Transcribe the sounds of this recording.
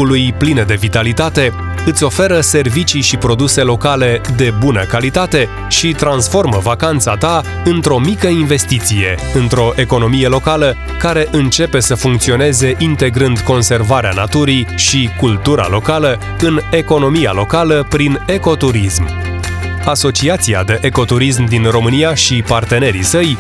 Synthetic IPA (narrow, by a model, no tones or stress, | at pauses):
ulujplined̪e̞vit̪alit̪at̪e̞ | ɨt̪sʲo̞fe̞ɾəse̞rvit͡ʃiʃipɾo̞d̪use̞lo̞kale̞d̪e̞bunəkalit̪at̪e̞ | ʃit̪ɾansfo̞rməvakant̪sat̪a | ɨnt̪ɾo̞mikəinve̞st̪it̪sije̞ɨnt̪ɾo̞ʔe̞ko̞no̞mije̞lo̞kalə | kaɾe̞ʔɨnt͡ʃe̞pe̞səfuŋkt̪sio̞ne̞ze̞ʔint̪e̞ɡɾɨnd̪ko̞nse̞rvaɾeana̰t̪uɾiʃikult̪uɾa̰lo̞kalə | ɨne̞ko̞no̞mija̰lo̞kaləpɾine̞ko̞t̪uɾism | aso̞t͡ʃiat̪sia̰d̪e̞ʔeko̞t̪uɾis̬md̪inro̞mɨnijaʃipart̪e̞ne̞ɾḭsəj